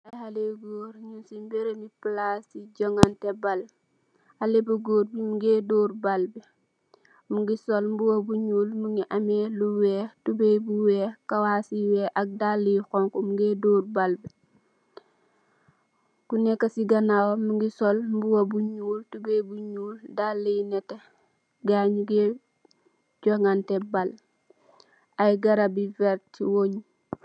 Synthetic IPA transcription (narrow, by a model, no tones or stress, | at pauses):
ahaleɡoɾɲunsimbeɾemiplasiɟɔŋantɛbal | alebɐɡoːrbimuɡeːdoːrbalbi | muŋɡisɔlmbuwɐbuɲuːlmuŋɡiʔameluwɛːtubɛbuwɛːkawaːsiwɛːʔɐk̚dalːixɔŋkɔmuɡeːdoːrbalbɛ | kunɛkːɐsiɡɐnawomuŋɡisɔlmbuwobuɲuːltubɛbuɲuːldalːinɛte | ɡaɲuɡe | ɟɔŋɡantɛbal | ajɡɐɾabivɛɾtt͡ʃiwoɲ